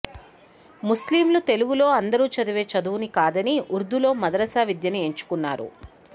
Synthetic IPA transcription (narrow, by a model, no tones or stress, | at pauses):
musliːmlut̪e̞luɡulo̞ːɐnd̪ɐɾuːt͡ʃɐd̪uʋe̞ːt͡ʃɐd̪uʋunikaːd̪ɐniuɾd̪ulo̞ːmɐd̪ɐɾɐsaːʋid̪jɐnie̞ɲt͡ʃu̥kunːa̰ːɾṵ